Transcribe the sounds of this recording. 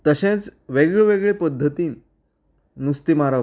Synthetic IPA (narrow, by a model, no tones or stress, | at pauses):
t̪əɕẽt͡sʋeɡɭeʋeɡɭepəd̪ʱːət̪iːnː | ust̪imaɾə